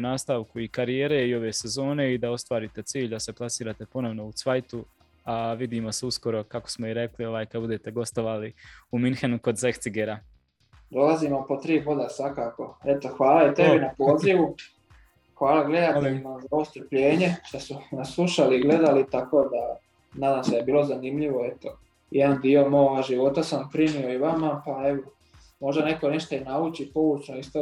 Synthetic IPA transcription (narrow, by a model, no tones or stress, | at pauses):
naːst̪aːʋkuikaɾijeːɾeio̞ʋe̞ːse̞zo̞ːne̞id̪ao̞st̪ʋaːɾit̪e̞t̪siːʎʲd̪ase̞plˠasiːɾat̪e̞po̞no̞ʋno̞ut̪sʋajt̪u | aʋid̪imo̞seusko̞ɾo̞kako̥smo̞iɾe̞klio̞ʋaːjkad̪bud̪e̞t̪e̞ɡo̞st̪o̞ʋaːliuminxenuko̞d̪zekt̪siɡeɾa | d̪o̞laziːmopot̪ɾiːpod̪asʋakaːko̞e̞t̪oxʋaːlaet̪ebinapo̞ːziʋu | xʋaːlaɡle̞d̪at̪eʎimazaoʋo̞st̪r̩pʎe̞ːɲe̞ʃt̪asunaslˠuʃaliɡle̞d̪alit̪ako̞ːd̪a | naːd̪aːmseaebiːlˠo̞zanimʎiʋo̞e̞t̪o | jed̪and̪io̞moɡaʒiʋo̞t̪asampɾimio̞iʋamapae̞ʋo | mo̞ʒd̪ane̞ko̞niʃt̪ainaut͡ʃipo̞ut͡ʃnoist̪o